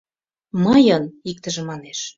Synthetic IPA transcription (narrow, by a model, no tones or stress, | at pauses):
mɤjənik̚t̪əʒĕmɑneʃ